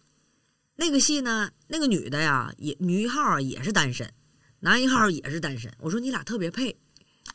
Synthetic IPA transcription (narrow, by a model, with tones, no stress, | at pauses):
na˥˩ɡə˩ɕi˥˩nə˩na˥˩ɡə˩ny̰˨˩d̪ə˦ja̰˧jɛ̰˨˧˩ny˧˥˧xɑ˥˩ʊə˞˧˥jɛ̰˨˩ʂɻ̩˥˩t̪a˥nʂə̰˧˥˦n | na˧˥i˧˥xɑ˥˩ə˧˥jɛ̰˨˩ʂɻ̩˥˩t̪a˥nʂə̰˧˥nwɔ˨˩ʂwɔ˥ni˧˥la˨˩t̪ʰɤ˥˩pjɛ˧˥pʰe˥˩ɪ